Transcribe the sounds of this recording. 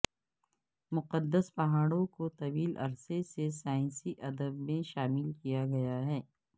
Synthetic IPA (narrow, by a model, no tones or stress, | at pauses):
mʊqəd̪ːəspɐɦaːɽõkot̪ɐʋiːlɐ̰ɾsesesaːɪ̃nsiʔɐd̪əbmẽʃaːmɪlkijaɡɐjaɦɛː